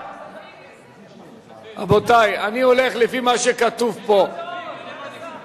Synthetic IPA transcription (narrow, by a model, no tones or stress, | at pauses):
a̰bo̞t̪ajanio̞le̞χlefimaʃekat̪uvpo̞